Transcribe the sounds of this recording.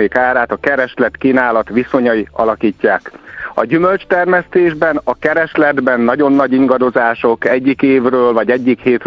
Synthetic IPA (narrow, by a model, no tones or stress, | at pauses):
eːkaːɾaːt̪ɒkɛɾɛʃlɛt̪kiːnaːlɒt̪ʋiso̞ɲɒjiɒlɒkiːcːaːkɒ̰ɟymø̞lt͡ʃt̪ɛrmɛst̪eːʒbɛnɒkɛɾɛʃlɛd̪bɛnːɒɟo̞nːɒɟiŋɡɒd̪o̞zaːʃo̞kɛɟːikeːvrøːlvɒɟɛɟːikheːt̪